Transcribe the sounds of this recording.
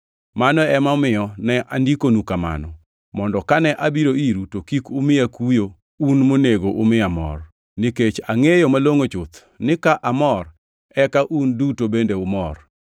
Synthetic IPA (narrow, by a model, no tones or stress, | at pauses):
manɔɛmaʊmɪjɔnɛʔandikonukama̰nɔ | mɔndɔkanɛʔabiɾoiɾutokikʊmɪakujo | unmoneɡoʔʊmɪamɔ̰r | niket͡ʃaŋejomaloŋot͡ʃʊt̪ | nɪkaʔamɔr | ɛkaʔundutobendeʊmɔr